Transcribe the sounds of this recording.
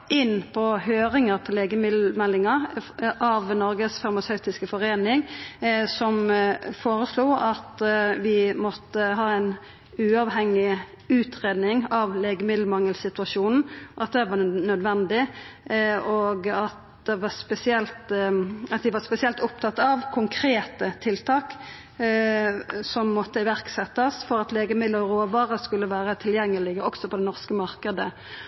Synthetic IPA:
ɪnːpʰɔhøːɾɪŋəɾt̪ʰɔleːɡəmɪmɛlːɪŋɑʔɑʋnɔɾɡəsfɑɾmɑsɑʉt̪ɪskəfɔɾeːnɪŋsɔmfoːɾəsluːʔɑt̪ʋɪmɔt̪ːəɦɑːæɪn | ʉːɑʋɦɛŋːɪ | ʉːt̪ʰʁeːd̪nɪŋɑʋleːɡəmɪd̪l̩mɑŋːəlsɪt̪ʉɑʃuːnn̩ʔɑt̪̚d̪ɛʋɑnœd̪ʋɛnd̪ɪ | oɡɑt̪̚ | d̪ɛʋɑspɛsɪɛlt̪ɑt̪̚d̪ɪʋɑspɛsɪɛlt̪ʊpt̪ʰɑt̪ːɑʋkʰʊŋkʰɾeːt̪ət̪ʰɪlt̪ʰɑːk | sɔmːɔt̪ːəɪʋæɾksɛt̪ːɑsfɔɾɑt̪leːɡəmɪd̪ləʁoːʋɑːɾəskʉlːəʋæːɾət̪ʰɪljɛŋːəlɪɡəɔksɔpʰɔd̪ɛnɔʁskəmɑʁkəd̪ə

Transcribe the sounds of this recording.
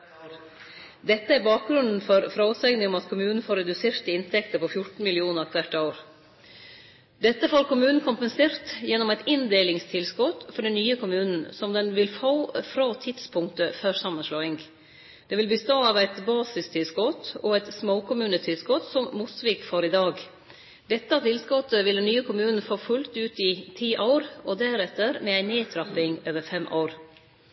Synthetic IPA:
d̪ɛt̪ːəæɾbɑːk̚ɡɾʉnd̪n̩fɔɾfɾɑsɛɡnɪŋɔmɑt̪kʰʊmʉːnn̩foːɾɛd̪ʉseːɾt̪ɪnt̪ʰɛkt̪əɾpʰɔfjʊʈn̩mɪlɪuːnəɾɑk̪ʰʋæʈːɑʊɾ | d̪ɛt̪ːəfoːɾkʰʊmʉːnn̩kʰʊmpənseːɾt̪jɛnːɔmæɪt̪ɪnd̪eːlɪŋst̪ʰɪlskɔt̪fɔɖɛnnːyːəkʰʊmʉːnn̩sɔmd̪ɛnʋɪlfoːfɾɑːt̪ʰɪd̪spʰʊŋkt̪əfœɾsɑmːənʂlɑːɪŋ | d̪̥ɛːʋɪlbəst̪oːɑːʋæɪt̪bɑːsɪst̪ʰɪlskɔt̪ɔæɪt̪smoːkʊmʉːnət̪ʰɪlskɔt̪sɔmːʊsʋɪːkfɔɾɪd̪ɑːɡ | d̪ɛt̪ːɑt̪ʰɪlskɔt̪ːəʋɪld̪ɛnːyːəkʰʊmʉːnn̩foːfʉlt̪ʉːt̪ɪt̪ʰiːʔaʊɾʔɔd̪æɾɛt̪ːəɾmɛæɪneːt̪ʰɾɑpɪŋøːʋəɾfɛmʔo̰ʊɾ

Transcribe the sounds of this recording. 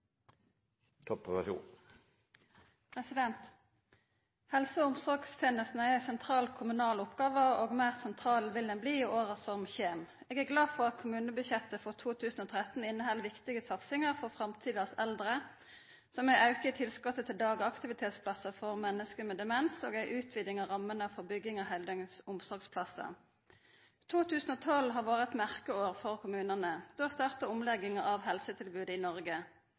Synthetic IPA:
t̪ʰɔpːʋɑʃṵːn | pʰʁɛsɪd̪ɛnt̪ | hɛlsəʊmsɔʁɡst̪ʰɛːnəst̪nəæsɛnt̪ʰʁɑːlkʰʊmʉnɑːlʊpɡɑːʋəʁoːɡmæːʁsɛnt̪ʰʁɑːlʋɪld̪ɛnbliːiʔoːʁəsɔmçeːm | eːɡæʁɡlɑːfɔʁɑt̪kʰʊmʉːnəbʉçɛt̪əfɔt̪ʰuːt̪ʰʉːsn̩oːt̪ʰʁɛt̪n̩ɪnːəhɛlʋɪkt̪ɪɡəsɑt̪sɪŋəʁfɔʁfʁɑmt̪ʰiːd̪əʁsɛld̪ʁə | sɔmæɪʔɑʉkəɪt̪ʰɪlskɔt̪ːət̪ʰɪld̪ɑːɡɑkt̪ɪʋɪt̪ʰeːt̪spʰlɑsəfɔʁmɛnːəskəmɛːd̪ɛmɛnso̰ːɡæɪʔʉːt̪ʰʋiːd̪ɪŋɑʁɑmːənəfɔʁbʏɡːɪŋɑɦæld̪œŋsʊmsɔʁɡspʰlɑsə̰ | t̪ʰuːt̪ʰʉːsn̩oːt̪ʰɔlɦɑːʁʋɑːʁəɛt̪mæʁkəoːʁfɔʁkʰʊmʉːnənəd̪̥oːst̪ɑʁt̪əʊmlɛɡɪŋəɑʋhɛlsət̪ʰɪlbʉːd̪əɪːnɔʁɡə

